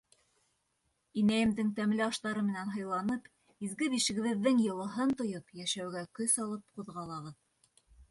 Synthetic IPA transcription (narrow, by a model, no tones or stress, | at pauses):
inæjɘ̆md̪ɘŋt̪æmlɘɑʃt̪ɑɾɤmɘ̆nænɦɤ̆jlˠɑnɤp | izɡɘbiʃɘ̆ɡɘ̆βɘ̆ðːɘŋjɤ̆lˠɤ̆ɦɤnt̪ŏjopjæʃæwɡækɵsɑlˠɤp̚quðʁɑlˠɑʁɤð